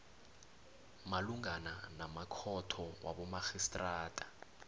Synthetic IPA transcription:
maluŋananamakʰɔtʰɔwʔa̰ɓɔmaxistʼraːtʼḁ

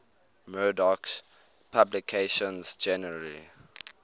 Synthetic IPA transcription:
mɜːdɔk | pʰablikʰeʃɔ̃nzd͡ʒɛnli

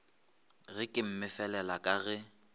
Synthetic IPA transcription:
ɣɪkʼɪm̩mɪfɛlɛlakʼaɣɛ

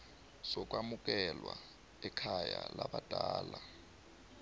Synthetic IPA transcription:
sɔk̬ʼwamuk̬ʼɛlwa | ɛkʰajalaɓad̥ʱaːla

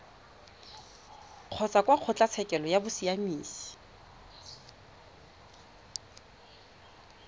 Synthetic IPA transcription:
q͡χʰɔt͡sakʼwaq͡χʰʊt͡ɬʼat͡sʰɛkʼɛlɔjabʊsiamiːsi̥

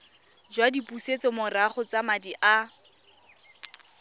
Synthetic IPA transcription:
d͡ʒwadipuset͡sɔmʊraχʊt͡samadiʔa

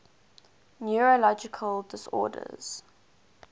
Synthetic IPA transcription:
njuɹolɔd͡ʒɪkʰəldɪsɔ̰ːdə̰z̥

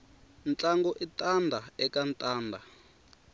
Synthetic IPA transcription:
nt͡ɬaŋɡɔʔitandʱaɛkantʼaːndʱa

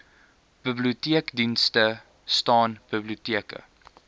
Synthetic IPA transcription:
b̥ibliutiəkdinstə | stɑːnb̥əbliutiəkə̰

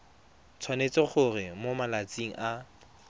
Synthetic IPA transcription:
t͡sʰwanet͡sɪχʊrɪmomalat͡siŋ̩ʔa

